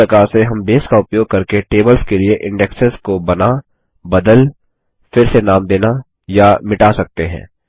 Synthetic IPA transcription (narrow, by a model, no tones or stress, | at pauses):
ɾɐkaːɾseɦɐmbeːskaʊpjoːɡ̚kɐɾkeʈeːbəlskelieʔɪ̃ɳɖɛksəɾskobɐna | bɐd̪əl | fɪɾsenaːmd̪eːna | jamɪʈasɐk̚t̪eɦɛ̰̃ː